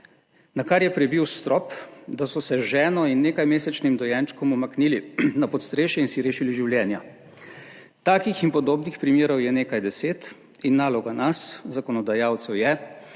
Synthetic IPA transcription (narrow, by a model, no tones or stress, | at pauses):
nakaɾjɛpɾɛbiwst̪ɾɔpd̪asɔsɛʒɛːnɔinːeːkajmeːsɛt͡ʃnimd̪ɔjɛnt͡ʃkɔmɔmakniːlinapɔt̪st̪ɾeːʃjɛinsiɾeːʃiliʒiwljɛːnja | t̪aːkixinpɔd̪oːbnixpɾimjeːɾɔwjɛneːkajd̪ɛseːt̪ | inːaːlɔɡanaszakɔnɔd̪ajaːwt̪sɛwjɛ